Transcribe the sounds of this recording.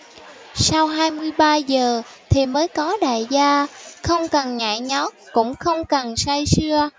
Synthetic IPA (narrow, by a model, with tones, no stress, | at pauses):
sa˧wɦaː˧jmɨ˧əjɓaː˧zəː˨˩t̪ʰi˨˩məː˨˦jkɔ˨˦ɗa̰ː˧˨jzaː˧xə˧wŋ͡mkə˨˩nɲa̰ː˧˨jɲɔ˨˦kʊ̰˧˥ŋ͡mxə˧wŋ͡mkə˨˩nsa˧jsɨ˧ə